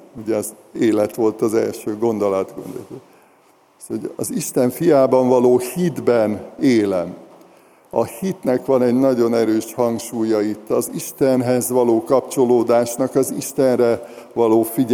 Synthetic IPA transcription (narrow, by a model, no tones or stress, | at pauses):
uɟɛɒz | eːlɛt̪ʋo̞lt̪ɒzɛ̰lʃøːɡo̞nd̪olɒt̪ɡo̰nd̪o̰t̪o | shoɟɒ̰ziʃt̪ɛɱfijaːbɒɱvɒloːhid̪bɛneːlɛm | ɒhit̪nɛkʋɒnɛɟnɒɟo̞nɛɾøːʃhɒŋkʃuːjɒit̪ːɒziʃt̪ɛnɦɛzʋɒloːkɒpt͡ʃo̞loːd̪aːʃnɒkɒziʃt̪ɛnrɛvɒloːfiɟ